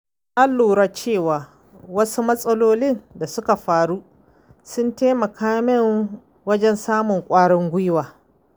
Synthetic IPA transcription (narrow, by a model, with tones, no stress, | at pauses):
ʔa˦lːuː˨ɾa˦˨t͡ʃeː˦˨waː˨ | wɐ˦su˦mɐ˦sʼɐ˦loː˦lɪ˦nda˨sʊ˦ka˨ɸaː˨ɽu˦ | sʊ˦nteː˦mɐ˨kʰaː˦mɪ˦ŋ | wɐ˦d͡ʒɛ˦nsaː˦mʊ˨ŋkʷʼaː˦ɽɔ˦ŋɡʷʊ˦jwaː˨